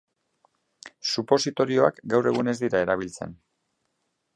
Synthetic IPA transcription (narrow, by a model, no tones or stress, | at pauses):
supo̞sit̪o̞ɾio̞akɡawre̞ɣune̞zd̪iɾae̞ɾaβ̞ilt͡se̞̰n